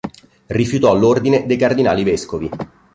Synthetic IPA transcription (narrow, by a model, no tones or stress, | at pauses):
rifjut̪ɔlːord̪ined̪ejkard̪ina̰ːliveskovi